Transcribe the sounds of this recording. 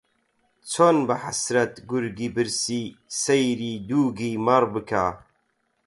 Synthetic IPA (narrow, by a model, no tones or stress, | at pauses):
t͡sʰonbɨħasɾɐt̪ɡuɾɡiːbɨɾsiːsejɾiːd̪uːɡiːmɐɾbɨkʰaː